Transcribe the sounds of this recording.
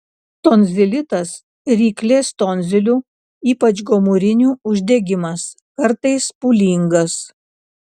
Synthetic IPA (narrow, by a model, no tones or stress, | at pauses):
t̪oːnʲzʲɪlʲɪt̪ɐs | ɾʲiːklʲeːst̪oːnʲzʲɪlʲuː | iːpɐt͡ʃɡɔmuɾʲɪnʲuːʊʒʲd̪ʲɛɡʲɪmɐs | kɐɾt̪ɐɪspuːlʲiŋɡɐs